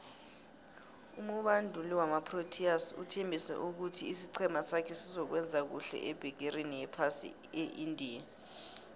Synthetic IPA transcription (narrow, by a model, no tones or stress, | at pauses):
umuɓandʱuliwamapʰrotʰiasṵtʰembʱisɛ̰ʔuk̬utʰiːsiǀʰɛmasakʰɛsizɔk̬wɛnd͡zʱak̬uɬɛ̰ʔɛb̥ʱɛɡ̬ʱerenijɛpʰasḭ | eʔindʱiːja